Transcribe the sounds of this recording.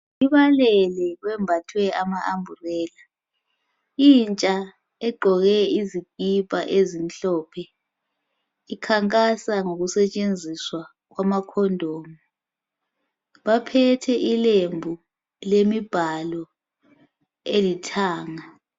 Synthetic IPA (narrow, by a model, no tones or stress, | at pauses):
iβalɛlɛɣwɛmbʱatʰwɛamaʔambʱurɛːla | int͡ʃʼa | ɛɡ͡ǃʱɔɣɛizikʼipʼaʔezinɬɔpʰɛ | ikʰaŋkʼasaŋoɣusɛt͡ʃʼend͡zʱiswa | ɣ̬wamakʰɔndʱoːmu | βapʰɛtʰɛʔilembʱu | lemib̥ʱalɔ | elitʰaːŋa